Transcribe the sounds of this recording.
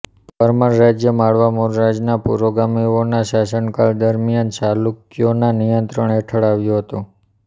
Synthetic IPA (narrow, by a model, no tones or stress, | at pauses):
pəɾmənːad͡ʒjəmaɭʋamuɾɾad͡ʒnapṵɾoɡamionaʃasəɳkald̪əɾmijant͡ʃalukjonanijənt̪ɾəɳeʈʰəɭaʋjũɦət̪ũ